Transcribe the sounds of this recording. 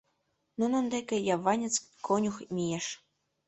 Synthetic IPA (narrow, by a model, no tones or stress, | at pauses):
nunɤ̆nd̪ekʲĕjɑvɑnʲĕt͡skonʲuxmʲijeʃ